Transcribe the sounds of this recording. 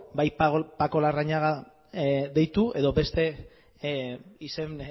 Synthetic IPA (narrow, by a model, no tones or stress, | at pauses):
bajpako̞laraɲaɣa | ðe̞jt̪uʔe̞ðo̞be̞st̪e̞ | ise̞n